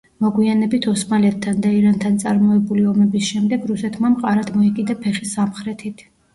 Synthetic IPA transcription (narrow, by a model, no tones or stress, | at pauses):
mɔɡwianɛbit̪ʰɔsmalɛt̪ʰːand̪aiɾant̪ʰant̪sʼaɾmɔɛbuliɔmɛbisʃɛmd̪ɛɡɾusɛt̪ʰmamqʼaɾad̪mɔɛkʼid̪apʰɛχisamχɾɛt̪ʰit̪ʰ